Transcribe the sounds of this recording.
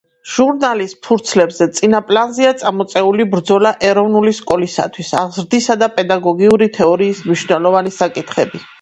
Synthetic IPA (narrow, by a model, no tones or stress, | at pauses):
ʒ̥uɾnalispʰuɾt̪sʰlɛbzɛt̪sʼinapʼlanziat̪sʼamɔt̪sʼɛulibɾd̪zɔlaʔɛɾɔvnuliskʼɔlisa̰t̪ʰwisaʁzɾd̪isad̪apʼɛd̪aɡɔɡiuɾit̪ʰɛɔɾiːsmniʃnɛlˠɔvanisakʼit̪ʰχɛbi